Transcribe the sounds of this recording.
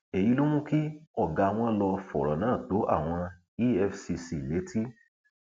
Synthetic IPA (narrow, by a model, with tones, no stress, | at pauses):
e˨ji˨˧˦lu˦mũ˦ki˦ɔ˦˨ɡa˨w̃ɔ̃˧lɔ˧fɔ̰˨ɾɔ̰˨nãː˨˦˨to˨˦ʔa̰˦˨w̃ɔ̃˧ | i˦ɛ˧fsi˧si˧˨le˨˦tʰi˦